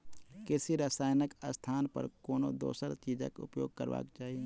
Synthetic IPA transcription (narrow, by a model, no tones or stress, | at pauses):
kɪsiɾasaːjnəkəst̪ʰaːnpə̰ɾkoːno̰d̪o̰ːsəɾt͡ʃiːd͡ʒa̰kʊ̰pjoːɡ̚kəɾʋa̰ːkt͡ʃaːɦie